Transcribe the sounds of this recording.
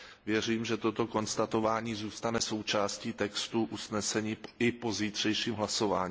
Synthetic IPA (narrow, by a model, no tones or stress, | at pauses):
vjɛr̝iːmʒɛt̪o̞t̪o̞ko̞nst̪at̪o̞vaːɲiːzuːst̪anɛso̞wt͡ʃaːsciːt̪ɛkst̪uʔusnɛsɛɲiːɪpo̞ziːt̪r̝̥ɛjʃiːmɦlaso̞va̰ːɲː